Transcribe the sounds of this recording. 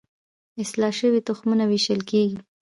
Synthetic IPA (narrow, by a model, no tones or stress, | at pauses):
ɪslɑʃəwit̪ʊxmunawiʃəlkeɡi